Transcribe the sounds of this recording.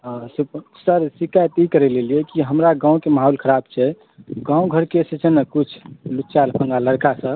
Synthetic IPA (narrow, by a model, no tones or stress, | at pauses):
supsəɾsikat̪ikəɾɛlelijɛkiɦəmɾaɡãũkemaɦolkʰəɾabt͡ʃʰɛ | ɡãũɡʱəɾkesət͡ʃʰənəkut͡ʃʰlutːt͡ʃalpʰə̃ŋɡaləɾkasə̃